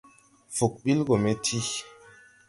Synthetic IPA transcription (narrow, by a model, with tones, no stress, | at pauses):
fu˨k̚ɓi˦lɡo˨me˦tʰi˦